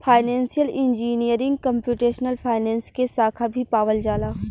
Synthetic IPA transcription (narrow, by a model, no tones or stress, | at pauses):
fʰaːɪnɛ̃ːnsijəlɪ̃nd͡ʒiːnijəɾɪ̃ŋɡkɐ̃mpjuːʈeːʃnəlpʰaːɪnɛ̃ːnskesaːkʰabʱipaːʋəld͡ʒaːlaː